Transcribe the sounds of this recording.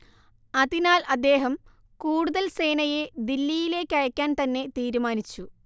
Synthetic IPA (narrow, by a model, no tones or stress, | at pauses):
ɐðinaːlɐd̪ːe̞ːɦɐm | kuːɽuðɐlse̞ːnɐje̞d̪ilːijile̞ːkʲːɐɻɐkʲːaːnt̪ɐnːe̞t̪iːɾumaːnit͡ɕːu